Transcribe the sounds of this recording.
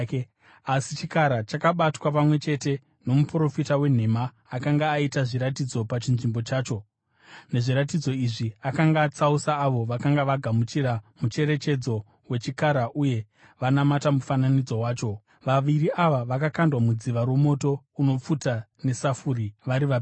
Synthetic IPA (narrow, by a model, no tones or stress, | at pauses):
asit͡ʃikaɾat͡ʃakaɓatwapamwe̞t͡ʃe̞te̞ | no̞mupuro̞fitawe̞n̤e̞maː | kaŋɡaːitaʐiɾatid͡zo̞pat͡ʃinʐimbo̞t͡ʃaːt͡ʃo̞ | ne̞ʐiɾatid͡zo̞iʐiakaŋɡaːt͡sausaːʋo̞ʋakaŋɡaʋaɡʱamut͡ʃiɾamut͡ʃe̞ɾe̞t͡ʃe̞d͡zo̞ | we̞t͡ʃikaɾaʔuje̞ | ʋanamatamufananid͡zo̞waːt͡ʃo̞ | ʋaʋiriaʋaʋakakandwamud͡ziʋaɾwo̞mo̞to̞ | uno̞p͡futane̞safuɾiʋaɾiʋa